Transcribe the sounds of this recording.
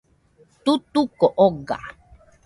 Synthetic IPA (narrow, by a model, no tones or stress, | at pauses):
t̪ut̪ukɔʔɔɡa̰